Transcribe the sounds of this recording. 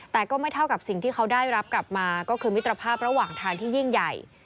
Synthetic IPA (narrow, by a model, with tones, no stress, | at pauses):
t̪ɛː˨˩kɔː˥˩ma˥˩jt̪ʰa˥˩wka˨˩p̚si˨˩ŋt̪ʰiː˥˩kʰa˦˥wdaː˥˩jɾa˦˥p̚kla˨˩p̚maː˧kɔː˥˩kʰɯː˧mi˦˥t̪ːɾa˧pʰaː˥˩p̚ɾa˧˦waː˨˩ŋt̪ʰaː˧ŋt̪ʰiː˥˩ji˥˩ŋja˨˩j